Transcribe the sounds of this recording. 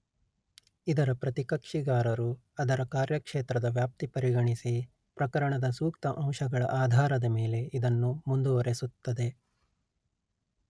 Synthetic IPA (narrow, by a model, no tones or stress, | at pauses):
id̪ɐɾɐpɾɐt̪ikɐkʂiɡaːɾɐɾu | ɐd̪ɐɾɐkaːɾjɐkʂeːt̪ɾɐd̪ɐʋjaːp̚t̪ipɐɾiɡɐɳisi | pɾɐkɐɾɐɳɐd̪ɐsuːkt̪ɐʔɐ̃w̃ʃɐɡɐɭɐ̰ʔaːd̪ʱaːɾɐd̪ɐme̞ːle̞id̪ɐnːumund̪uʋɐɾe̞sut̪ːɐd̪e̞